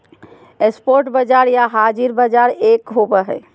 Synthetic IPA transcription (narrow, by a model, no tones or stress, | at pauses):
espoɾʈbəd͡ʒaɾjaɦad͡ʒiɾbəd͡ʒaɾekɦobəɦɛ̰